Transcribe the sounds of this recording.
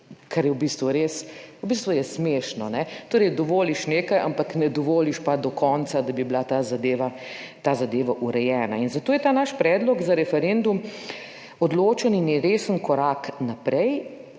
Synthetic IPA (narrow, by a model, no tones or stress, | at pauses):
kʰaɾjɛwbist̪ʋuɾeːswbist̪ʋujɛsmeʃnɔnɛt̪oːɾɛjd̪ɔʋoːliʃneːkajʔa̰mpaknɛd̪ɔʋoːliʃpad̪ɔkʰɔnsad̪abiblat̪azad̪eːʋa | t̪azad̪eːʋaʔuɾɛjɛːna̰inzat̪oːjɛt̪aːnaʃpɾɛːd̪lɔɡzaɾɛfɛɾend̪um | ɔd̪loːt͡ʃəninjɾeːsənkɔɾaknapɾɛj